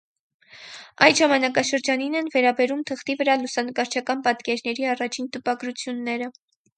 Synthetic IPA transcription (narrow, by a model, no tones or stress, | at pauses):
ɑjʒɑmɑnɑkɑʃəɾd͡ʒɑninɛnvɛɾɑbɛɾumt̪ʰəχt̪ivəɾɑlusɑnəkɑɾt͡ʃʰɑkɑnpɑt̪kɛɾnɛɾiɑrɑt͡ʃʰint̪əpɑɡɾut͡sʰjunːɛɾə